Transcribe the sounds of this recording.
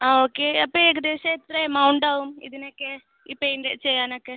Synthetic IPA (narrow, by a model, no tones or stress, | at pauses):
aːoːkːeɐpːɐeɡɐd̪eːsɐet̪ːɾɐjmɐwuɳɖaːʋumḭðinokːe | ipːenɖet͡ɕejːaːnokːe